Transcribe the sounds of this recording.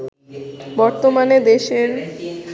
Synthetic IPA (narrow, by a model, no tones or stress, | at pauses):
bɔɾt̪omaned̪eʃeɾ